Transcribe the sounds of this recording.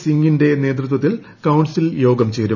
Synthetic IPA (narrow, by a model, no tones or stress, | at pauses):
siŋɡinde̞ne̞ːt̪rut̪̬wɐt̪̬ːil | kɐwɳsiljo̞ːɡɐmt͡ɕe̞ːɾu